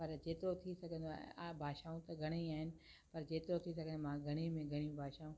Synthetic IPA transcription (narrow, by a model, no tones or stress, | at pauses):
pɐɾd͡ʑeːt̪ɪɾot̪ʰisɐɡʱə̃nd̪oaabʱaːʃaːũt̪ɐɡʱɐɽ̃iaːɦɪnɪ̆ | pɐɾd͡ʑeːt̪ɪɾot̪ʰisɐɡʱə̃nmãɡʱɐɽ̃imẽɡʱɐɽ̃im̃bʱaːʃaːũ